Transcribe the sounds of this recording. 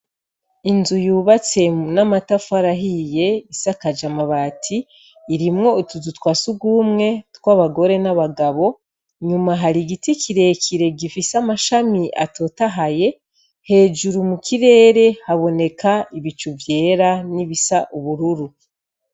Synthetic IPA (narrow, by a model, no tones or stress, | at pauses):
inzujuːβat͡se̞namatafaɾaɦijeisakad͡ʒamaβatʰiː | ɾimŋo̞utuzutwaːsuɡuːmŋe̞tkwaβaɡo̞ɾe̞naβaɡaβo̞ | ɲumaɦaɾiɡitikiɾe̞kʰiɾe̞ɡifisamaʃamiʔa̰to̞taɦaje̞ | he̞ːd͡ʒuɾumukʰiɾe̞ːɾe̞haβo̞ne̞kʰaiβit͡ʃuvje̞ːɾaniβisaʔuβuɾuɾu